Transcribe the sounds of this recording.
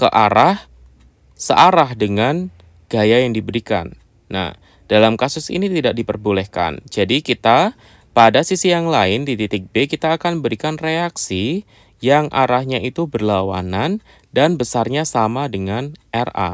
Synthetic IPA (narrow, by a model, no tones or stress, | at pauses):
kəʔaɾah | səʔaɾaɦdəŋan | ɡ̥ajajaŋdibəɾika̰nː | a̰h | d̥alamkasʊsḭnit̪idak̚dipərbulɛhka̰nd͡ʒadikit̪a | padasisijaŋlaɪndit̪it̪ɪk̚bekit̪aːkanbəɾikanreaksi | jaŋʔa̰ɾahɲaʔit̪ubərlawa̰nan | danbəsarɲasamadəŋanʔɛrʔa̰